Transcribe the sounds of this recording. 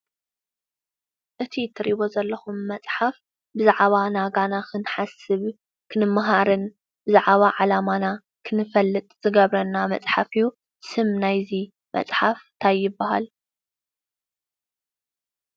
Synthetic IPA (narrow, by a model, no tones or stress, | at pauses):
ʔɨt̪ʰit̪ʰɨɾiβo̞zɐlːɐxumːɐt͡sʼħaf | bɨzaʕβanaɡanakʰɨnħasɨβ | kʰɨnɨmːaɦaɾɨn | b̥ɨzaʕβaʕalamana | kʰɨnɨfɐlːɨt̪ʼz̥ɨɡɐβɾɐnːamɐ̰t͡sʼħafiju | sɨmnajzi | mʔɐ̰t͡sʼħaft̪ʰajːɪbːaɦa̰l